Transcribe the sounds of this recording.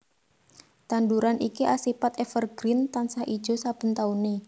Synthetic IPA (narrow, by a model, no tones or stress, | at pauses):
t̪anduɾanʔikiʔasipat̪efərɡ̥ɾint̪ansaʔid̥ʒ̥o̤sab̥ə̤nt̪auni